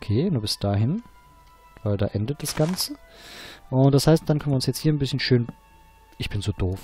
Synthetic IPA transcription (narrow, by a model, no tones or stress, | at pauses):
ʔokʰeːnuːɐbɪsd̥aːɦɪn | v̥aɪlda̰ːʔɛndət̚d̥asɡ̥ant͡sə | ʔʊnt̚d̥ashaɪstd̥ankœnvjəʊnsjɛt͡sthiːɐnbɪsçənʃøːn | ʔɪçb̥ɪnzoːdoːf